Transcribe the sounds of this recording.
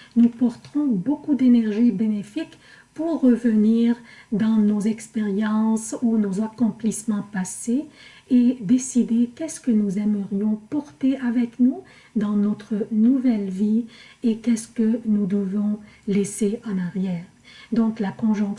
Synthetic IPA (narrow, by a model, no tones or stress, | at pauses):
nupɔʁt̪əʁɔ̃bokud̪enɛʁʒibenefik | puʁːəvəniːʁd̪ɑ̃nozɛkspeʁjɑ̃sunozakɔ̃plismɑ̃pase | ed̪esid̪ekɛskənuzɛməʁjɔ̃pɔʁt̪eavɛknu | d̪ɑ̃nɔt̪χənuvɛlviekɛskənud̪əvɔ̃leseɑ̃naʁjɛːʁ | d̪ɔ̃klakɔ̃ʒɔ̃k